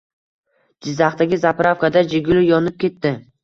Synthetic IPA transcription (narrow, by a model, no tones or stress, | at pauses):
d͡ʒɪzːaχt̪aɡʲɪzapʰɾafkad̪ad͡ʒɪɡʲʊlɪjɒnɪp̚kʲʰe̞t̪ːɪ